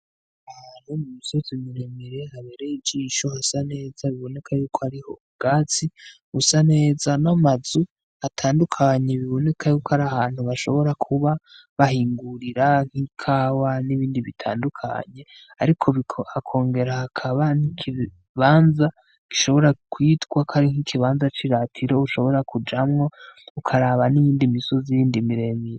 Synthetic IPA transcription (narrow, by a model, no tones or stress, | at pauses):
animumuso̞zimiɾemiɾe̞haβeɾejid͡ʒiːʃo̞hasane̞ːzaβiβo̞ne̞kʰajuːkʰohaɾiho̞̰ | ɡ̥aːt͡si | usane̞ːzanamazu | atʰaːndukʰaɲe̞βiβo̞ne̞kʰajuːkohaɾahaːn̥huβaʃo̞̰βo̞ɾakʰuβa | βahiːŋɡuɾiɾaŋ̥hikʰaːwaniβiːndiβitʰa̰ːndukʰa̰ɲe̞ | aɾikʰoβiakʰo̞ːŋɡeɾahakʰaβanikʰi | βaːnza | ki̥ʃo̞βo̞ɾakwiːtɡwakʰaɾiŋ̥hikʰiβaːnzat͡ʃiɾatʰiɾo̞uʃo̞βo̞ɾakud͡ʒamŋo̞ukʰaɾaːβanijiːndimisozijiːndimiɾe̞miɾ